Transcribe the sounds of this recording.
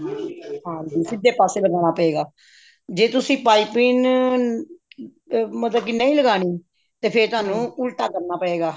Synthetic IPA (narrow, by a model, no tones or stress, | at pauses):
ɦãːd͡ʒiːsɪd̪eːpaːseːbəɡaːñaːpəeːɡaː | d͡ʒeːt̪ʊsĩːpaːiːpiːn | mət̪ləb̚kɪnəĩːləɡaːɽiː | t̪eːpʰɪɾt̪ʊɦaːnũːʊlʈaːkəɾnaːpəeːɡaː